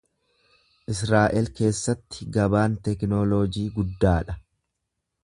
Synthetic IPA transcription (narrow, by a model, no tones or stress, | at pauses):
ʔɪsɾaːʔɛlke̞ːsːɐt̪ːɪ̥ɡɐbaːnt̪ɛknoːloːd͡ʒiːɡʊd̪ːaːᶑɐ